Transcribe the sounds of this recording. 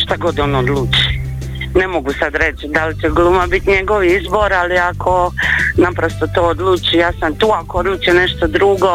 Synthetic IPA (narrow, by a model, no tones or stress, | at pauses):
ʃt̪aɡod̪oːnod̪lˠuːt͡ʃi̥ | nemoɡusad̪ɾe̞t͡ʃd̪alit͡ʃeɡlˠumabit̪ɲe̞ɡoʋiizbo̞ɾaliakʰo̞napɾost̪ot̪oːod̪lˠuːt͡ʃijaːsamt̪uːakood̪lˠuːt͡ʃiene̞ʃt̪od̪ɾuɡo